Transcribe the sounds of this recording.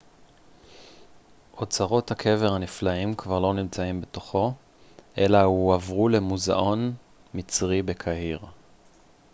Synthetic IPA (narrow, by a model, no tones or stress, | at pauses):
ʔo̞t͡saʁo̞thakʰe̞ve̞ʁhaniflaimkvaʁlo̞nimt͡saimbe̞to̞χo̞ | ʔe̞lahuavʁule̞muza̰ʔo̞n | mit͡sʁibe̞kʰaɦiʁ